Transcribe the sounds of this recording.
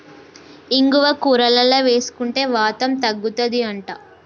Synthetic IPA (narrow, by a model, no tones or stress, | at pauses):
iŋɡuʋɐkuːɾɐlɐlɐʋe̞ːsu̥kuɳʈe̞ːʋaːt̪ɐmt̪ɐɡːut̪ɐd̪iɐɳʈaː